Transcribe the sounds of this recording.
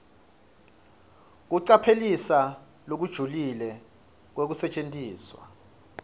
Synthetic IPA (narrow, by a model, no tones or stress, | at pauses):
k̬uǀapʰelisa | lok̬ud̥ʒ̥ʱulilɛ | k̬wek̬usɛt͡ʃʼentʼiːswa̰